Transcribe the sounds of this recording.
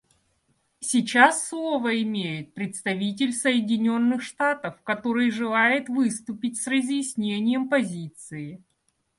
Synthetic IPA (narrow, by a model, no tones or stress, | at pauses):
sʲɪt͡ɕasːlˠovəɪmʲejɪt̪̚pɾʲɪt̪st̪ɐvʲit̬ʲɪlʲsəjɪdʲɪnʲo̞nːɨxʂt̪at̪əfkɐt̪o̞ɾɨjʐɨlˠajɪt̪vɨst̪ʊpʲɪtʲsrəzʲjɪsʲnʲenʲɪjəmpɐzʲit̪sɨɪ